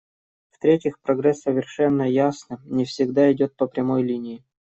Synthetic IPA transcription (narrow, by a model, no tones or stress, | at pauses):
ft̪ɾʲetʲɪxpɾɐɡɾɛsːəvʲɪrʂɛnːəjasnɨnʲɪfsʲɪɡd̪aɪdʲo̞t̪̚pəpɾʲɪmo̞jlʲinʲɪɪ